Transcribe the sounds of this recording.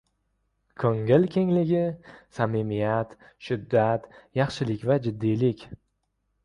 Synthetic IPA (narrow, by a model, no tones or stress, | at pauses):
kʰɵŋɪlkʲʰe̞ŋlɪɡʲɪsamimijat̪ | ʃʊd̪ːat̪jɑχʃɪlɪkʲvad͡ʒɪd̪ːijlɪkʲ